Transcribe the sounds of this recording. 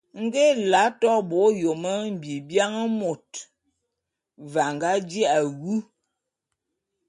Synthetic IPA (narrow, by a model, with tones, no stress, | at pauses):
ŋ̩˦ɡe˦la˨˦tɔ˦bo˨˦jo˨mə˦m̩˨bi˨bja˦ŋə˦mo˨t̚ | va˨ŋɡa˦d͡ʒi˦a˨ɣu˦